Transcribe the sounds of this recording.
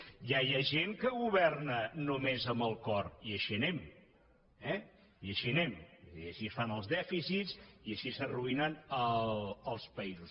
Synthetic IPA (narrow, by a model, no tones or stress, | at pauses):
jajaʒeŋkəɣuβɛrnənumezəmbəlˠkɔriəʃiənɛm | ɛ | iəʃiənɛmðḭəʃisfanəlˠzðɛfisitsiəʃisəruinənəəlˠspəizus